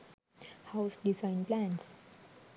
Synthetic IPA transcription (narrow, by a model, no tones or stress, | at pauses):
haʊsɖizãɪ̃nplæ̃ns